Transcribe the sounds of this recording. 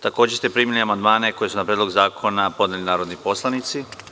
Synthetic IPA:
t̪ako̞ːd͡ʑest̪e̞pɾiːmiliamand̪maːne̞ko̞jesunapɾed̪lo̞ɡzaːkʰo̞napo̞d̪nelinaːɾo̞d̪nipo̞slanit̪si

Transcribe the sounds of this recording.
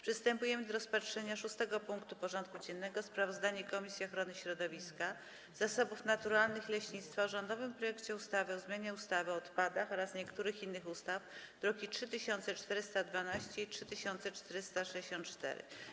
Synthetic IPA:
pʂɘst̪ɛmpujɛmɘd̪ɔɾɔspatʂɛɲaʂust̪ɛɡɔpuŋkt̪upɔʐɔnt̪̚kud͡ʑɛnːɛɡɔspɾavɔzd̪aɲɛkɔmʲisʲjiɔxɾɔnɘɕɾɔd̪ɔvʲiska | z̥asɔbufnat̪uɾalnɘxlɛɕɲit̪st̪faʐɔnd̪ɔvɘmpɾɔjɛkt͡ɕɛust̪avɘɔzmjaɲɛust̪avɘɔːt̪pad̪axɔɾasɲɛkt̪uɾɘxinːɘxust̪afd̪̥ɾɔkʲitʂɘt̪ɘɕɔnt̪sɛt͡ʂt̪ɛɾɘst̪ad̪vanaɕt͡ɕɛitʂɘt̪ɘɕɔnt̪sɛt͡ʂt̪ɛɾɘst̪aʂɛd͡ʑeɕɔnt̪t͡ʂt̪ɛ̰ɾɘ̰

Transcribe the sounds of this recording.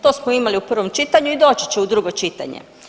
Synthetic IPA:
t̪oːsmoimaliupr̩ʋo̞mt͡ʃit̪aɲuid̪o̞ːt͡ɕi̥t͡ɕeud̪ɾuɡo̞t͡ʃit̪a̰ɲḛ

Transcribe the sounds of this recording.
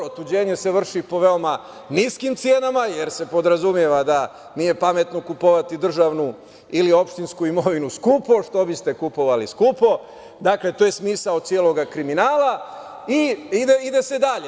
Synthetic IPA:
ot̪ud͡ʑe̞ːɲe̞se̞ʋr̩ʃipo̞ʋe̞o̞ma | niskimt̪sje̞ːnamaje̞ɾse̞po̞d̪ɾazumje̞ʋad̪a | nije̞pame̞t̪nokupoʋat̪id̪r̩ʒaʋnu | ilio̞pʃt̪inskuimo̞ʋinuskupo̞ʃt̪o̞bist̪e̞kupo̞ʋaliskupo̞ | d̪akle̞t̪oːje̞smiːsaod̪̚sijeːlˠo̞ɡakɾiminaːla | iid̪eid̪e̞se̞d̪aʎe

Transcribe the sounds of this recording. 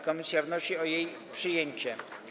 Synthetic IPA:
kɔmʲisʲjavnɔɕiɔjej | pʂɘjeɲt͡ɕɛ

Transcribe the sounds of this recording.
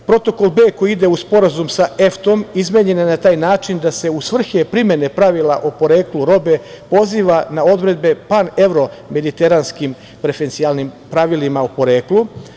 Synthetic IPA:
pɾo̞t̪o̞kolˠbe̞ːko̞jiid̪e̞uspo̞ɾazumsaʔe̞ft̪o̞mizmeɲe̞nenat̪aːjnaːt͡ʃind̪ase̞usʋr̩xepɾimje̞ne̞pɾaʋilaʔopo̞ɾe̞ːkluɾo̞be̞po̞ziːʋanao̞d̪ɾe̞d̪̚be̞pane̞ʋɾo̞me̞d̪it̪e̞ɾanskim | pɾe̞fent̪sialˠnimpɾaʋilimaopo̞ɾe̞ːklu

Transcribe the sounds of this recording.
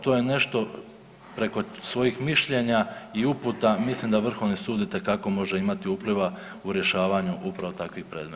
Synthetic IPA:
t̪o̞ːje̞ne̞ʃt̪o̞ | pɾe̞ko̞sʋo̞jixmiʃʎe̞ɲaiuput̪amislimd̪aʋr̩xo̞ʋnisuːd̪it̪ekako̞mo̞ʒe̞imat̪iupliʋa | uɾje̞ʃaːʋaɲuʔupɾaʋo̞t̪akʋixpɾe̞ːd̪mea

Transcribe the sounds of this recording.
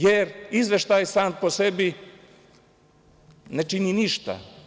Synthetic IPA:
jɛɾizʋɛʃt̪ajsaːnposɛbi | nɛt͡ʃininiʃt̪a̰

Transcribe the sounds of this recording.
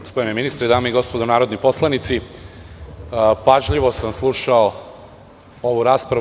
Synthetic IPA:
spomineminist̪ɾed̪aːmeiɡo̞spod̪onaːɾo̞d̪nipo̞slˠanit̪si | paʒʎiʋo̞samslˠuʃao | o̞ʋuɾaːspɾa

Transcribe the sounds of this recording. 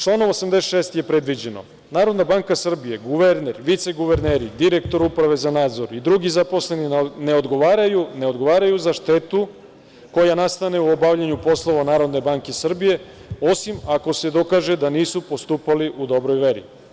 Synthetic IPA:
t͡ʃlˠaːnoʋosamd̪esʃeːst̪ije̞pɾe̞d̪ʋid͡ʑe̞no̞̰ | naːɾo̞d̪nabaːŋkasr̩bije̞ɡuʋeɾneɾʋit̪se̞ɡuʋe̞ɾneːɾid̪iɾe̞kt̪o̞ɾupɾaʋe̞zanaːd̪zo̞ɾid̪ɾuɡizapo̞sle̞nine̞o̞d̪ɡo̞ʋaːɾajune̞o̞d̪ɡo̞ʋaːɾajuzaʃt̪et̪u | ko̞janast̪ane̞uo̞bavʎaɲupo̞slˠo̞ʋanaːɾo̞d̪ne̞baŋke̞sr̩bije̞ | o̞simako̞se̞d̪o̞kaːʒe̞d̪aniːsupo̞st̪uːpaliʔud̪o̞bɾo̞jʋeɾḭ

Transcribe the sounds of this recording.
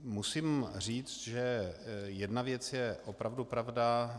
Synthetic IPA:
musimr̝iːt͡st̪ʒɛjɛdnavjɛt͡sjɛʔopɾavdupɾavda

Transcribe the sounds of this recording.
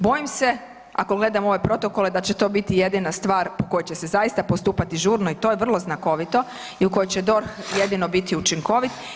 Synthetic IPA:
bo̞jimse̞ | akoɡle̞d̪amo̞ʋe̞pɾo̞t̪oko̞le̞d̪at͡ɕet̪o̞ːbit̪ije̞d̪inast̪ʋaːɾpoko̞jet͡ɕese̞zaist̪apost̪uːpat̪iʒuːɾno̞it̪o̞jeʋr̩lˠo̞znako̞ʋit̪o̞ | iuko̞jot͡ɕe̞d̪o̞ɾxjed̪ino̞bit̪iut͡ʃiŋko̞ʋit̪

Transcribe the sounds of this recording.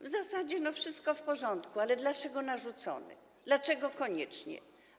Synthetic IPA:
vzasad͡ʑɛnɔfʂɘst̪̚kɔfpɔʐɔnt̪kualɛd̪lat͡ʂɛɡɔnaʐut̪sɔ̰nɛ̰ | d̪lat͡ʂɛɡɔkɔɲɛt͡ʂɲɛ̰

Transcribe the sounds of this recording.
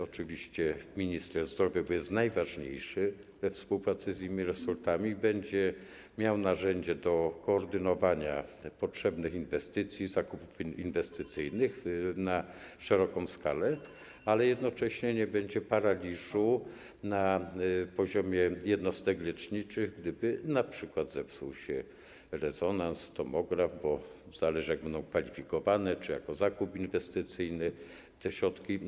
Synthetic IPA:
ɔt͡ʂɘvʲiɕt͡ɕɛmʲiɲist̪ɾɛzd̪ɾɔvʲjabɔjɛst̪najvaʐɲḛjʂɘ | vɛfspuwpɾat̪sɘzʲjimʲiɾɛsɔlt̪amʲibɛɲd͡ʑɛ | mʲjawnaʐɛɲd͡ʑɛd̪ɔkɔːɾd̪ɘnɔvaɲa̰pɔtʂɛbnɘxinvɛst̪ɘt̪sʲjizakupufinvɛst̪ɘt̪sɘjnɘxna | ʂɛɾɔkɔ̃w̃ska̰lɛ | alɛjɛd̪nɔt͡ʂɛɕɲɛɲɛbɛɲd͡ʑɛpaɾalʲiʐu | napɔʑɔmʲjɛjɛd̪nɔst̪ɛɡlɛt͡ʂɲit͡ʂɘɣɡd̪ɘbɘnapʂɘkwad̪zɛvsuwɕɛ | ɾɛzɔnanst̪ɔmɔɡɾavbɔ | zalɛʐɨjaɡ̚bɛnd̪ɔ̃w̃kfalʲifʲikɔvanɛt͡ʂɨja̰kɔzakupinvɛst̪ɘt̪sɘjnɘ | t̪ɛɕɾɔt̪kʲi

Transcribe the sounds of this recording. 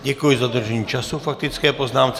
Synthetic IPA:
ɟɛkujɪzad̪r̩ʒɛɲiːt͡ʃasufak̚t̪ɪt͡skɛːpoznaːmt͡s

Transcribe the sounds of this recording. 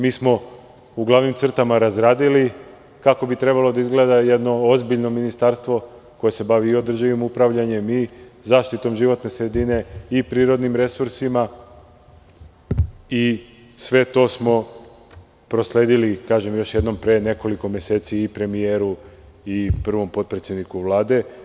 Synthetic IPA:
miːsmo̞ | uɡlˠaʋnimt̪sr̩t̪amaɾazɾaːd̪ili | kako̞bit̪ɾe̞balod̪aizɡle̞d̪aje̞d̪no̞ozbiʎno̞minist̪aɾst̪ʋo̞ko̞je̞se̞baʋiːo̞d̪r̩ʒiʋimupɾaʋʎaɲe̞mizaːʃt̪it̪o̞mʒiʋo̞t̪ne̞sɾe̞d̪ine̞ipɾiːɾo̞d̪nimɾe̞suɾsima | i | sʋe̞t̪o̞smo̞ | pɾo̞sle̞ːd̪ilikaːʒe̞mjo̞ʃje̞d̪no̞mpɾene̞ko̞liko̞mje̞se̞ːt̪siipɾe̞mijeɾu | ipr̩ʋo̞mpo̞t̪̚pɾet̪sʲjed̪nikuʋlˠaːd̪e̞

